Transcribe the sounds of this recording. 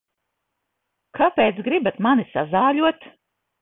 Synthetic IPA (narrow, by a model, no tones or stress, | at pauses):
kʰapeːt̪sɡɾibat̪manisa̰zaːʎuɔt̪